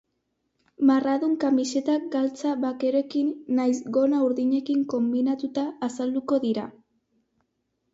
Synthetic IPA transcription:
maraðuŋkamise̞t̪ak̚ɡalt͡saβake̞ɾoe̞kinːajzɡo̞nauɾðiɲe̞kiŋko̞mbinat̪ut̪aːsald̪uko̞ðiɾa

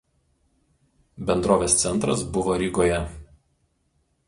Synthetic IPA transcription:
bʲɛnd̪ɾoːʋʲeːst̪sʲɛnˑt̪ɾɐsbʊʋoːɾʲiɡoːjɛ

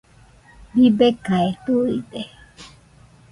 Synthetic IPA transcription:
bibekaet̪uide

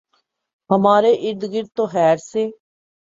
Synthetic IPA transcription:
ɦəmaːɾeʔɪɾd̪ɡɪɾt̪oɦɛːɾseː

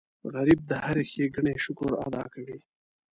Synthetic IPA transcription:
ɣaɾib̚d̪əhaɾexeɡəɳeʃʊkʊɾa̰d̪ɑ̰kawi

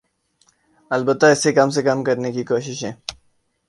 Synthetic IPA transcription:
ɐlbət̪ːaɪsekɐmsekɐmkɐɾnekikoːʃɪʃɦɛ̃ː

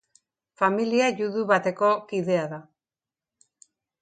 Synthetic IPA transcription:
familiaʝuðuβat̪e̞ko̞kiðe̞aða

